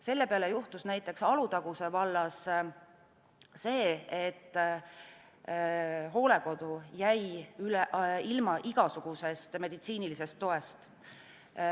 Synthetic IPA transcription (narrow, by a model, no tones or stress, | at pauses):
se̞lːe̞peɑle̞juht̪usnæjt̪ːˑe̞ksɑlut̪ɑɡ̥use̞vɑlːɑs | se̞ːet̪ːˑ | ɦo̞ːle̞ko̞d̪̥ujæjylilmɑʔiɡ̥ɑsuɡ̥use̞st̪me̞d̪̥it̪siːnilise̞st̪ːo̞e̞st̪